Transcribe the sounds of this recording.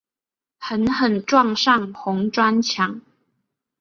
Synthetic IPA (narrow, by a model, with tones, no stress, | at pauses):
hə˨˦nhə˨˩nʈ͡ʂwɑ˥˨ŋʂɑ˥˨ŋxʊ˧˦ŋʈ͡ʂwa˦nt͡ɕʰja˨˦ŋ